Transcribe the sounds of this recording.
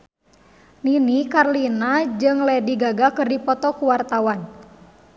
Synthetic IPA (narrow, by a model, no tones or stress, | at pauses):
ninikarlinad͡ʒɨŋlɛdiɡaɡakɨrdipɔt̪ɔkuwart̪awan